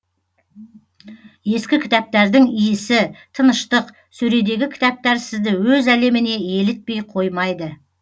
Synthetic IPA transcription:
je̞skʲɪkʲʰɪ̥t̪æp̚t̪æɾd̪ɪŋijɪsɪt̪ʰənəʃt̪əq | sɵɾe̞d̪e̞ɡʲɪkʲʰɪ̥t̪æp̚t̪æɾsɪzd̪ɪwɵzæle̞mɪne̞e̞lɪt̪̚pe̞jqʰo̞jmɑjd̪ə

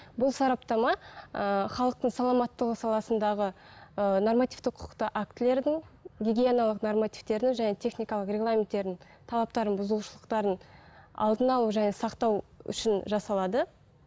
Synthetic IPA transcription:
bʊlˠsɑɾɑpt̪ɑmɑəχɑlˠəq̚t̪əɴsɑlˠɑmɑt̪ːəʁəsɑlˠɑsənd̪ɑʁə | ənormat̪ʲijvt̪ɪqʰʊ̥qt̪əʔak̚t̪ɪle̞ɾd̪ɪŋɡʲeɡʲijenalˠəqnormat̪ift̪e̞ɾd̪ɪŋʒæne̞t̪ʰe̞χnijkɑlˠəqɾʲe̞ɡlˠamʲe̞nt̪ːe̞ɾd̪ɪn | t̪ʰɑlˠɑp̚t̪ɑɾənbʊzəlˠuʃəlˠəqt̪ɑɾənɑ̰lˠd̪ənɑlˠuʒæne̞sɑqt̪ɑwʏ̰ʃɪnʒɑsɑlˠɑd̪ə

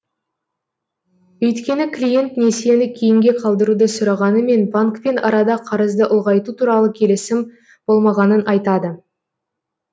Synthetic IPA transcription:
wɵjt̪kʲe̞nɪkʰlʲije̞nt̪ne̞se̞nɪkʲʰejɪŋɡʲe̞qʰɑlˠd̪əɾud̪əsʊɾɑʁɑnəme̞nbaŋkpe̞nɑɾɑd̪ɑqʰɑɾəzd̪əʔʊlˠʁɑjt̪ut̪ʰuɾɑlˠəkʲʰe̞lɪsɪm | b̥o̞lˠmɑʁɑnənʔɑjt̪ɑd̪ə

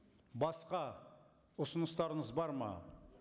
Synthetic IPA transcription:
bɑsqɑ | ʊsənəst̪ɑɾəɴəzbɑɾmɑ̰

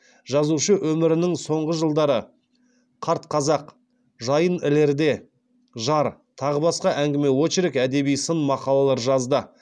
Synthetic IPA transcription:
ʒɑzuʃəwʔɵmɪɾɪnɪŋso̞ɴʁəʒəlˠd̪ɑɾə | qʰɑɾt̪̚qʰɑzɑq | ʒɑjənɪle̞ɾd̪e̞ | ʒɑɾt̪ʰɑʁəbɑsqɑʔæŋɡʲɪme̞woʃɾekæd̪e̞bijsənmɑqɑlˠɑlˠɑɾʒɑzd̪ə

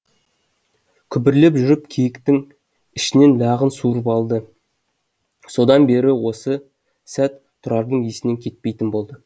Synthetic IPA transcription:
kʲʰʏbɪɾle̞pʒʏɾɪpkʲʰejɪkt̪ɪŋ | ɪʃɪne̞nlʲɑʁənsuɾəpɑlˠd̪ə | so̞d̪ɑnbe̞ɾɪwo̞sə | sæt̪ʰːʊɾɑɾd̪əɴesɪne̞ŋkʲʰe̞t̪̚pe̞jt̪ɪnbo̞lˠd̪ə

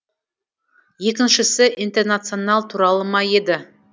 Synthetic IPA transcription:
je̞kʲɪnʃɪsɪʔint̪e̞rnat̪sɨo̞nɑlˠt̪ʰuɾɑlˠəmɑje̞d̪ɪ

